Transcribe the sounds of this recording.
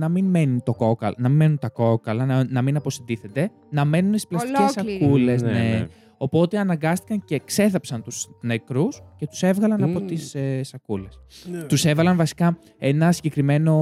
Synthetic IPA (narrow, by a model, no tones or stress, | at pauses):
nɐminme̞nit̪o̞ko̞kɐlnɐminme̞nunt̪ɐko̞kɐlɐnnɐminɐpo̞sind̪iθe̞t̪e̞ | nɐme̞nunsi̥splɐsscesɐkule̞s̬ne | o̞po̞t̪e̞ɐnɐŋɡɐst̪i̥kɐɲce̞ːkse̞θɐpsɐnt̪uzne̞kɾusce̞t̪u̥se̞vɣɐlɐnɐpo̞t̪issɐkule̞st̪use̞vɐlɐnvɐsi̥kɐ | e̞nɐsiɲɟe̞kɾime̞no̞